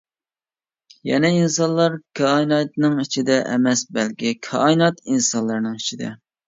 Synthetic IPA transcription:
jɛ̰nɛinsɑnlˠɑɾkʲʰɑinɑt̪nɨŋit͡ʃʰid̪ɛʔɛ̰mɛsbɛlkʲɪkʲʰɑ̰inɑt̪insɑnlˠɑɾnɨŋit͡ʃʰid̪ɛ

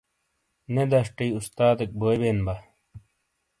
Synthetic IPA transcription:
ned̪ɐʂʈijust̪aːd̪ek̚boːjbeːnbɐ

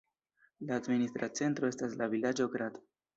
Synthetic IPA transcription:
laːdministɾat͡se̞ntɾo̞e̞staslavilad͡ʒo̞ɡɾado̥

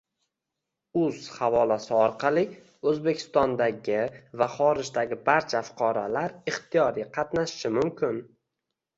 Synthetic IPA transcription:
ʊz̥havɒlasɪɒɾqʰɑlˠɪ | ɵzbe̞kʲʰɪ̥st̪ɒnd̪aɡʲɪvaχɒɾɪʒd̪aɡʲɪbaɾt͡ʃʰafʊ̥qʰɑɾalaɾɪχt̪ʰijɒɾiqʰɑt̪naʃʃɪmʊmkʲʰɪn

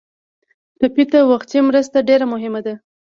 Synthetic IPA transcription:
ʈapit̪awaxt̪imɾəst̪aɖeɾamʊɦɪmad̪a

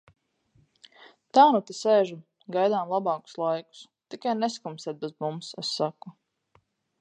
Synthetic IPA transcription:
t̪aːnut̪iseːʒu | ɡajd̪aːmlˠabɑːku̥slˠajku̥s | t̪ikajnɛskumsɛːt̪̚bɛzmumsɛsːaku

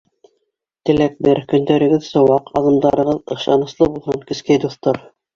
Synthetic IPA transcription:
t̪ɘ̆læk̚bɘɾkɵ̆nd̪æɾɘ̆ɡɘðsɤ̆wɑqʰɑ̰ðɤ̆md̪ɑɾɤ̆ʁɤðɤ̆χʃɑnɤ̆slˠɤbulˠɦɤɴkɵ̆skæjd̪uθt̪oɾ

